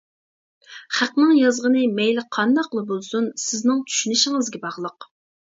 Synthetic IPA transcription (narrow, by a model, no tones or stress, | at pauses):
χæqnɪŋjɑzʁənɨmɛjlɪqʰɑnd̪ɑqlˠɨbolˠsunsɪznɪŋt͡ʃ̪ʰy̥ʃynɪʃɪŋɪzɡʲɛbɑʁlˠəq